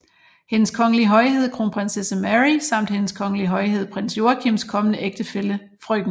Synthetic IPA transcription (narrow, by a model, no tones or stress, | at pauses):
he̝nəskʰɒ̽ŋəliɦɒ̽ɪhe̝ð̰ˠkʰʁo̝ːnpʰʁensesəmæʁisɑ̈m̰d̥he̝nəskʰɒ̽ŋəliɦɒ̽ɪɦe̝ð̞̰ˠpʰʁen̰sjo̝ɐkʰimskʰɒ̽mənəʔeɡ̥d̥əfelə | fʁœɡ̥n̩